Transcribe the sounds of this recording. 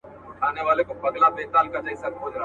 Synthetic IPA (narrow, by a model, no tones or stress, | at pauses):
kʰaːneʋaːlekobɐɡlabeːt̪aːlkad͡ʒɐisɐkbʊd͡ʒɾa